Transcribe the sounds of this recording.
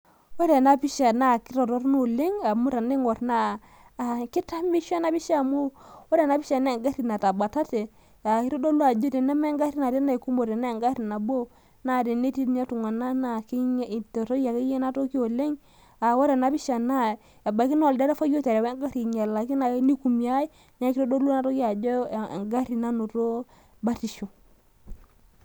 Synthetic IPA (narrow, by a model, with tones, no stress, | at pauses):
wo˦ɾe˨na˦pi˦ʃa˨na˦˨ki˦ɾo˨to˦ɾno˦˨le˦ŋa˨mu˦ɾa˨ne˦ŋo˨ɾnaː˦˨ | ki˦ta˦mbi˦ʃa˦na˦bi˦ʃa˦˨mu˦wo˦ɾe˨na˦pi˦ʃa˨na˦˨ŋɡa˦ɾi˨na˨ta˨ba˨ta˦te˨ | a˨ki˦ɾo˦do˦lu˦a˨d͡ʒo˦te˨na˦ma˦ɡa˦ɾi˦na˨ɾe˦na˦i˨ku˦mo˨ɾe˨na˦˨ŋɡa˦ɾi˨na˨bo˦ | na˦˨de˨ne˦ti˦ɲa˦tu˨ŋa˨na˦na˨ki˦ɲ˦˨tto˦a˨ke˦je˦na˦to˦ki˦o˨le˦ŋ | a˨wo˦ɾe˨na˨bi˦ʃa˨na˦ | a˨ba˨˦ki˦n˦o˨lde˦ɾa˦fa˦jo˦te˨ɾwe˦ŋɡa˦ɾi˨ɲa˨la˨ki˦na˨˦ni˦ku˨mi˨a˦i˦ | na˦ki˦ɾo˦do˦lu˦na˦˨to˦ki˦a˨d͡ʒo̰˦˨ŋɡa˦ɾi˨na˦no˨to˦ | ba˦ti˨ʃo˨